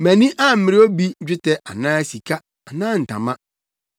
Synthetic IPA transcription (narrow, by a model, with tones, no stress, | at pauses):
mæ̃˨nĩ˦ʔa˦m̩˦mɪ̃˨ɾɪ˦o˦bi˦ɲ̩˦d͡ʑᶣɪ˦tʰɛ˨ʔa̰˨nãː˦˨si˨kʰa˦ | a˨nãː˦n̩˨tʰã̰˨mã˦